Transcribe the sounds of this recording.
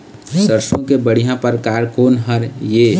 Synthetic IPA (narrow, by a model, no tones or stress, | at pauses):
səɾsõkebəɽ̤ijãpəɾkaːɾkoːnɦəɾjeː